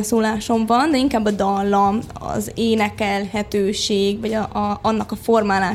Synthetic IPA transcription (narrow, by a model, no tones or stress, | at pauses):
soːlaːʃo̞mvɒnd̪ɛiŋkaːbːɒd̪ɒlːɒmɒ̰zeːnɛkɛlhɛt̪øːʃeːɡvɒɟɒnːɒkɒformaːlaː